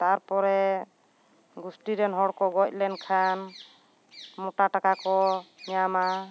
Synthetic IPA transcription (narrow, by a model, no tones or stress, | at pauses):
t̪aɾpɔɾɛ | ɡusʈiɾɛnɦɔɽkɔɡɔc̚lɛnkʰan | mɔʈaʈakakɔɲɛjama